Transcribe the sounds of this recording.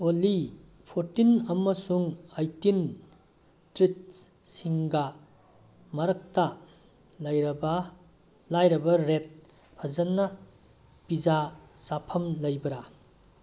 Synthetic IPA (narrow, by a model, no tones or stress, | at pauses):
oli | pʰoɾtinɐmːɐsuŋajtin | tɾit̚ | siŋɡɐ | mɐɾɐk̚ta | lɐjɾɐbɐ | lajɾɐbɐɾet̚ | pʰɐzɐnːɐ | pizasapʰɐmlɐjbɐɾa